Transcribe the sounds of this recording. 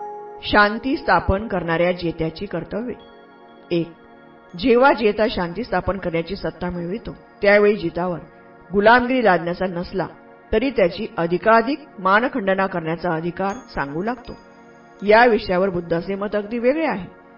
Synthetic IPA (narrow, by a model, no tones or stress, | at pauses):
ɕant̪iːst̪ʰapənkəɾɳaɾjad͡ʑet̪jat͡ɕiːkəɾt̪əʋːe | ek̚ | d͡ʑeʋad͡ʑet̪aɕant̪iːst̪ʰapənkəɾɳjat͡ɕiːsət̪ːamiɭʋit̪o | t̪jaʋeɭiːd͡ʑit̪aʋəɾ | ɡulamɡɾiːlad̪njat͡sanəsla̰ | t̪əɾiːt̪jat͡ɕiːʔəd̪ʱikad̪ʱik̚mankʰəɳɖənakəɾɳjat͡saəd̪ʱikaɾsãŋɡuːlaɡt̪o̰ | jaʋiʂjaʋəɾbud̪ʱːasemət̪əɡd̪iːʋeɡɭeaɦe